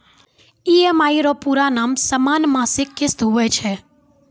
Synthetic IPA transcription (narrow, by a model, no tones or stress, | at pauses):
iɛmaiɾopuɾanamsəmanmãsɪkːɪst̪ɦojt͡ʃʰe